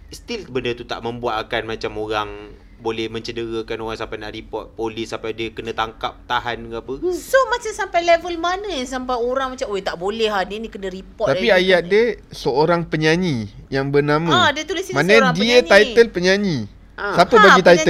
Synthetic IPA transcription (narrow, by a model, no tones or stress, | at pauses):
st̪ilbəndət̪ut̪a̰ʔmə̃mbuat̪akanmat͡ʃamoɣaŋ | bolɛhmə̃ɲt͡ʃədəɣəkanoɣaŋsampajnaʔripɔt̪̚polisampajdiəkənə̃t̪aŋkap̚t̪aɦanɡpəsomat͡ʃamsampajlevəlmanə̃jasampajoɾaŋmat͡ʃamojt̪aʔbolɛhadənikənə̃ɾipɔt̪apiajaʔ̚dəsəoɾaŋpəɲaɲĩjaŋbənamãdiət̪ulisimanadiət̪ajt̪əlpəɲaɲĩ | ʔasapəbaɡit̪ajt̪ə